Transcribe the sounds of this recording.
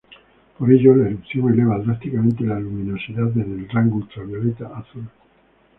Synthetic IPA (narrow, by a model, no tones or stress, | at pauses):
poɾeʒoleɾupsjonelevad̪ɾast̪ikamẽnt̪elaluminosiðad̪eðelraŋɡult̪ɾaβjoɾit̪aʔaθul